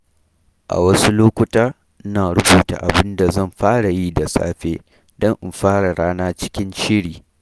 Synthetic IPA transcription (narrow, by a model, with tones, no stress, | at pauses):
ʔa̰˨wɐ˦su˦loː˦kʷʊ˦taː˦ | ʔɪ˦naː˨ɽʊ˦buː˨ta̰˨ʔa˨bɪ˦nda˨zɐ˦˨mɸaː˦ɽa˨ji˦da˨sa̰ː˦ɸeː˦ | dɔ˦ŋʔɪ˨mɸaː˦ɽa˨ɽaː˦naː˦t͡ʃɪ̥˦kʲɪ˦nʃɪ˦ɽiː˨